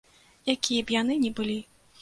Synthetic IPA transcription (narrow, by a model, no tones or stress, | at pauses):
jakʲʰijɛbjanɨnʲɛbɨlʲi